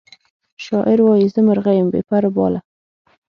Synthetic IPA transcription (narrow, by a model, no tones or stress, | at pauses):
ʃɑʔɪɾwɑjizəməɾɣajəmbḛːpaɾʊbɑ̰ːla